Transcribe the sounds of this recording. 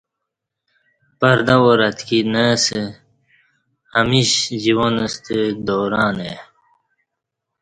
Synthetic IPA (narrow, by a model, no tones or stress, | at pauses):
pɐɾd̪awoɾɐt̪kinəsə | ɐmiɕd͡ʑiwonəst̪əd̪oːɾaːne